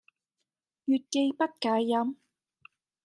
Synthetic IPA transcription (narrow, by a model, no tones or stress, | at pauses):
jʏt̪̚kejpat̪̚kaːjam